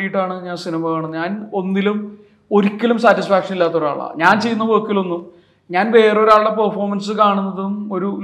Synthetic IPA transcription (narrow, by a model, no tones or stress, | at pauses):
ijiʈːaːɳɨɲaːnsinimɐaːɳumːɲaːno̞nːilum | o̞ɾikʲːɐlumsaːtːisfaːkʂɐnilːaːt̪ːo̞ɾa̰ːɭa̰ɲaːnt͡ɕejːunːɐʋoːkːilo̞nːu | ɲaːnʋe̞ːreo̞ɾaːɭɽepɐrfo̞ːmɐnsɨkaːɳunːɐðumo̞ɾu